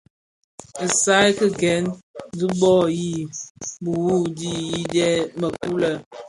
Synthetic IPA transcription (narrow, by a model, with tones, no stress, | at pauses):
ə˨sa˦jkə˦ɡɛ˨˦nd͡zi˦bɔ˦˨ji˦bu˨wu˦di˦ji˦dɛ˦mə˨ku˦lə˦˨